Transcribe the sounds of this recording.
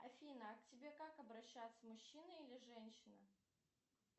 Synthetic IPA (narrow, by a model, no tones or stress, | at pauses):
ɐfʲinəɐktʲɪbʲe̞kakɐbɾɐɕːat̪səmʊɕːinɨilʲɪʐɛnʲɕɪnə